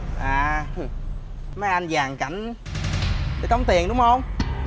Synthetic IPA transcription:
ʔaː˨˩ | ma˨˦jʔa˧nzaː˨˩ŋka˧˩jŋ̟ | ɗəː˨˧˦t̪ə˧˦wŋ͡mt̪i˨˩əŋɗʊ˨˦ŋ͡mhə˧wŋ͡m

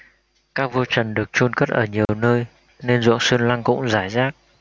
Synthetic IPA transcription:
kaː˦˥k̚vo˧t͡ɕə˨˩nɗɨ˨˩ək̚t͡ɕu˧nkə˦˥t̚ʔəː˧˩ɲi˨˩əwnəː˧j | ne˧nzṵ˧˨əŋsɨ˧ənla˧ŋkʊ̰˧˥ŋ͡mzaː˧˩jzaː˦˥k̚

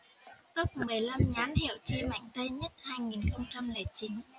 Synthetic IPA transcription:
kə˦˥p̚mɨ˨˩əjla˧mɲaː˨˦nhḭ˧˨əwt͡ɕi˧ma̰˧˨jŋ̟t̪ə˧jɲə˦˥t̚haː˧jŋi˨˩nxə˧wŋ͡mt͡ɕa˧mle˨˩t͡ɕi˨˦n

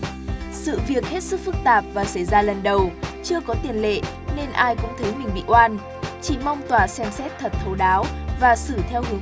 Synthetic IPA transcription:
sɨ̰˧˨vi˨˩ək̚he˦˥t̚sɨ˦˥k̚fɨ˦˥k̚t̪aː˨˩p̚vaː˨˩sə˧˩jzaː˧lə˨˩nɗə˨˩wt͡ɕɨ˧əkɔ˨˦t̪i˨˩ənlḛ˧˨ | ne˧nʔaː˧jkʊ̰˧˥ŋ͡mt̪ʰə˨˦jmï˨˩ŋ̟ɓḭ˧˨ʔwaː˧n | t͡ɕi˧˩ma˧wŋ͡mt̪waː˧˨˩sɛ˧msɛ˦˥t̚t̪ʰə˨˩t̚t̪ʰə˨˦wɗaː˨˦wvaː˨˩sɨ˧˩t̪ʰɛ˧whɨ˨˦əŋ

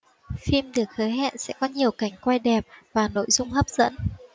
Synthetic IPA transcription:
fi˧mɗɨ˨˩ək̚həː˨˦jɦɛ̰˧˨nsɛ̰˧˥kɔ˨˦ɲi˨˩əwka˧˩jŋ̟kwa˧jɗɛ˨˩p̚vaː˨˩no̰˧˨jzʊ˧ŋ͡mɦəː˦˥p̚z̥ə̰˧˥n

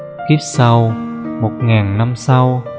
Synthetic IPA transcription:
ki˦˥p̚sa˧wmo˨˩t̚ŋaː˨˩nna˧msa˧w

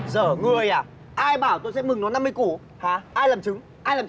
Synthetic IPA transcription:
zəː˧˩ŋɨ˨˩əjʔaː˨˩ | ʔaː˧jɓaː˧˩wt̪o˧jsɛ̰˧˥mɨ˨˩ŋnɔ˨˦na˧mːɨ˧jku˧˩ə | haː˨˩˦ʔaː˧jlaː˨˩mt͡ɕɨ˨˦ŋ | ʔaː˧jlaː˨˩

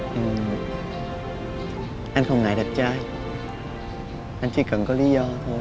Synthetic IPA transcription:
ʔɨ˨˩ | ʔa˧nxə˧wŋ͡mŋa̰ː˨˩jɗa˨˩p̚t͡ɕaː˧j | ʔa˧nt͡ɕḭ˧˦kə˨˩nkɔː˨˦li˨˦zɔ˧t̪ʰo˧j

